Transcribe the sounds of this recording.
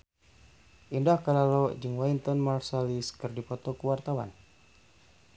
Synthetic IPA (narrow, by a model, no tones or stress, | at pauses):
ʔindahkalalɔd͡ʒɨŋwaint̪ɔnmarsaliskɨrdipɔt̪ɔkuwart̪awa̰n